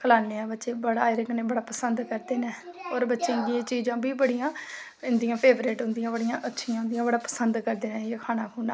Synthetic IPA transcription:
kʰəlaːneãːbətːʃeːbəɽaːɪɾɪknẽːbəɽaːpəsənd̪kəɾd̪eːnɛːoːɾbətːʃẽːɡiẽːt͡ʃiːd͡ʒãːbiːbəɽijãː | ɪnd̪ijãːpʰeːbɾeːʈɦʊ̃nd̪ɪijãːbəɽijãːʔətːʃʰijãːʊ̃nd̪ijãːbəɽaːpəsənd̪kəɾd̪eːnɛ̃ːeːkʰaːnaːkʰuːnaː

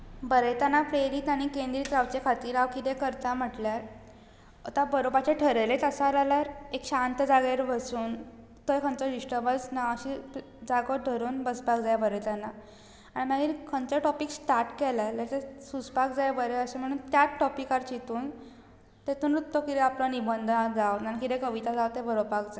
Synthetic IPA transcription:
bəɾəjt̪anapɾeɾiːt̪aɽ̃ikẽnd̪ɾiːt̪ɾaʋt͡ɕekʰat̪iːɾaʋkit̪ẽkəɾt̪am̤əʈljaɾ | ət̪abəɾobat͡ɕeʈʰəɾəlet̪əsalaljaɾekɕant̪əd͡zaɡeɾbəsuːn | t̪ojkʰənt͡sɔɖiɕʈəbəsnaəɕi | d͡zaɡoɖʱəɾuːnbəspakd͡zajabəɾet̪janːa | aɽimaɡiɾkʰənt͡səʈɔpiksʈaɾʈkɛlalat̪esuspakd͡zajbəɾeəɕem̤əɽ̃uːnt̪jatʈɔpikaɾt͡ɕit̪uːn | t̪et̪uːnɾut̪ːokit̪eaplənibənd̪ʱnad͡zawnaikit̪ẽkəʋit̪ad͡zawt̪ebəɾopakd͡za

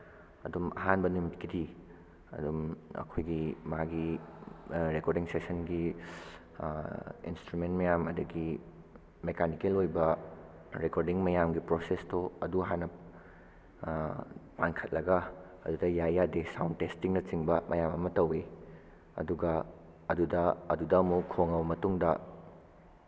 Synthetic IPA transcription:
ɐ̰dumɐ̰ɦanbɐnumitkidi | ɐ̰dumɐ̰kʰojɡimɐɦaɡi | ɾekoɾdiŋsesɐnɡi | ḭnstɾument̚mɐjamɐdɐɡi | mekʰanikelojbɐ | ɾekoɾdiŋmɐjamɡipɾosestoɐduɦanɐ | pankʰɐt̚lɐɡɐ | ɐdudɐjajːadesawndtestiŋnɐt͡ʃiŋbɐmʔɐjamɐmɐtɐwe | ɐ̰duɡɐ | ɐdudɐɐdudɐmukʰːoŋɐwbɐmɐtuŋdɐ

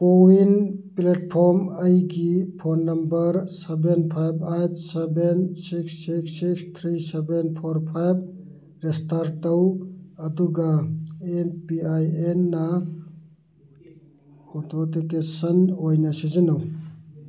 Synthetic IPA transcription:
owinplet̚pʰoɾməjɡipʰonːɐmbɐɾsebenpʰajbajtsebensiksːiksikst̪ʰɾisebenpʰoɾpʰajb̚ | ɾestaɾtɐwɐduɡɐenpiajenːɐ | kʰotʰotikesɐnojnɐsizinɐw

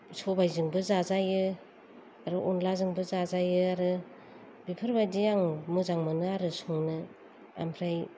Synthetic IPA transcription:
sobajzɯŋbɯzazajɯ | aɾɯʔɔnlazɯŋbɯzazajɯaɾɯ | bipʰɯɾbajdijaŋmɯzaŋmɯnɯaɾɯsuŋnɯ | a̰mpʰɾaj

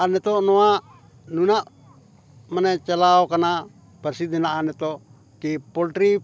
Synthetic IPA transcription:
anɛt̪ɔnoa | nunaʔ | manɛt͡ʃalaokana | pɛrsid̪ɛnaanɛt̪ɔ | kipɔlt̪ɾi

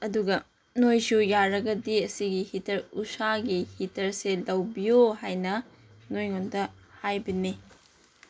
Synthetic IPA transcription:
ɐduɡɐ | nojsujaɾɐɡɐdiɐsiɡihitʰɐɾusaɡihitɐɾselɐwbijohajnɐ | nojŋondɐhajbɐni

